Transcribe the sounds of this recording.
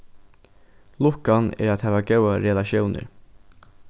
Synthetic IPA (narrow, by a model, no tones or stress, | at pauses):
lʊkɑnæ̰ːɾɑt̪hɑːʋɑːɡɑʉɑɾɛlɑʃjuːnʔə̰ɾ